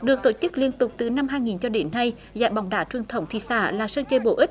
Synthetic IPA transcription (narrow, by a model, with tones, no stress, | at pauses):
ɗɨ˨˩ək̚t̪o˧˩t͡ɕɨ˦˥k̚li˧ənt̪ʊ˨˩k͡p̚t̪ɨ˨˩na˧mɦaː˧jŋi˨˩nt͡ɕɔ˧ɗe˨˦nːa˧j | za̰ː˧˨jɓa˨˩wŋ͡mɗaː˨˦t͡ɕwi˨˩ənt̪ʰə˨˧˦wŋ͡mt̪ʰḭ˧˨sa̰ː˧˩laː˨˩səː˧nt͡ɕəː˧˩jɓo̰˧˩ʔi˦˥k̟̚